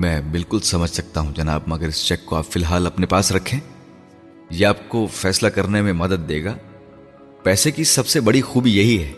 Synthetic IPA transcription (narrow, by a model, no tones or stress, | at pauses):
mɛ̃ːbɪlkʊlsɐməd͡ʒʱsɐk̚t̪aɦũd͡ʒɐnaːbmɐɡəɾɪst͡ʃɛːkːoaːpfɪlɦaːlɐpnepaːsɾɐkʰẽː | jeaːp̚kofɛːslakɐɾnemẽmɐd̪əd̪̚ːeːɡaː | pɛːsekisɐbsebɐɽixuːbijɐɦiɦɛː